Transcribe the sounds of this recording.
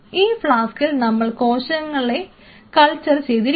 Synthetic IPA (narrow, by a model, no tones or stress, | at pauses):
iːfɭaːskilnɐmːɐɭko̞ːɕɐŋːɐɭe | kɐɭt͡ɕːɐrt͡ɕe̞jðiɾ